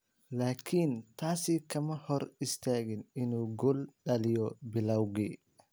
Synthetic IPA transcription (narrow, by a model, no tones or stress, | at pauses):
laːkʰint̪ʰaːsikʰɐmɐhɔɾɪst̪ʰaːɣɪnɪnuːɡɔlɗɐlɪjɔbɪlawɡi